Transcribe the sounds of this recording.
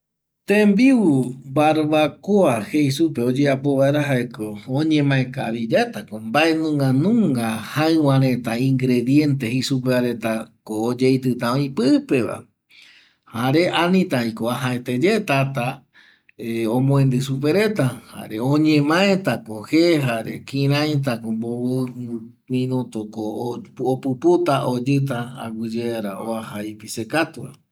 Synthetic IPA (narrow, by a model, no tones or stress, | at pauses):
t̪ẽmbiubaɾβakoaheisupeod͡ʒeapo̞βaeɾaɦaekoõɲẽ̞mãẽkaβid͡ʒat̪akombaʔe̞nũŋɡanũŋɡahaẽw̃ãɾẽ̞t̪aĩŋɡɾe̞ðje̞nt̪e̞hesup̬eaɾe̞t̪akoːd͡ʒejt̪ɨt̪ãõĩpɨpe̞ʋa̰ | haɾe̞ʔanĩt̪ajkoaɦaet̪e̞d͡ʒet̪at̪a | eõmõẽnd̪ɨsup̬e̞ɾe̞t̪aha̰ɾeõɲẽmãẽt̪akõheɦaɾḛkĩɾ̃ãjt̪̬akõmboβ | mĩnõt̪okoopɨput̪aʔod͡ʒɨt̪̬aa̰ɡʷɨd͡ʒeaɾaoahajpisekat̪ua̰